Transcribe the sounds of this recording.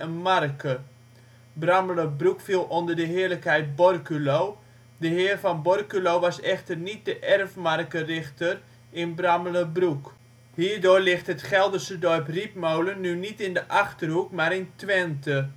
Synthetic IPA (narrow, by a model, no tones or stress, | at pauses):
ənmarkə | bramələbrukfilˠondərdəɦɪːərləkhɛjt̚bɔrkylow | dəɦɪːərfɑnbɔrkylowʋɑsɛxtərnit̚dəʔɛrfmarkərɪxtər | ɪnbramələbruk | hiːɹdoːrlɪxtɦətχɛlˠdəsədɔɹprip̚mowlənːynitɪndəʔaχtərɦukmaːɾɪntʋɛntə